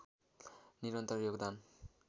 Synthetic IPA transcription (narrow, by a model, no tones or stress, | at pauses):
niɾɔnt̪ɔɾjoɡd̪an